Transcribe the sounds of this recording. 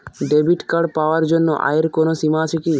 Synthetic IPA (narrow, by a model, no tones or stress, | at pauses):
ɖebiʈkaɽpaoaɾd͡ʒonːoʔa̰eɾkonosimat͡ʃʰeki